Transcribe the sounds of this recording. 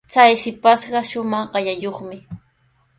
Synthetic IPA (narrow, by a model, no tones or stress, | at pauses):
t͡sajsɪpasɢɑʃʊmɑχɢɑjajoχmɪ